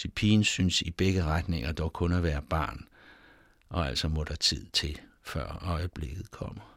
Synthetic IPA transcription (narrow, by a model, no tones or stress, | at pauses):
ipʰḭːnsynsib̥eɡ̥əʁad̥ne̝ŋɐd̥ɒʊkʰɔ̽næʋæːɐb̥ɑ̈ːn | ʔɒ̽æl̰sɒ̽mɔ̽ɾ̥ɑt͡sʰið̞̰ˠt͡sʰe̝l | fɶɐ̰ɒ̽ɪəb̥le̝ɡ̥ð̩ˠkʰɒ̽m̰ɐ